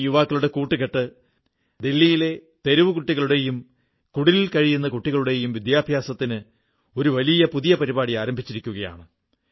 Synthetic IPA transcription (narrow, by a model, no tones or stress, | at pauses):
juʋaːkːɐɭuɽe̞kuːʈːɨkeʈːɨ | d̪elːijile̞ | t̪e̞ɾuʋɨkuʈːiɣɐɭuɽe̞jum | kuɽililkɐɻijunːɐkuʈːiɣɐɭuɽe̞jumʋid̪jaːbʱjaːsɐt̪ːinɨ | o̞ɾuʋɐlijɐpuðijɐpɐɾibaːɽijaːɾɐmbʱit͡ɕːiɾikʲːuɣɐja̰ːɳɨ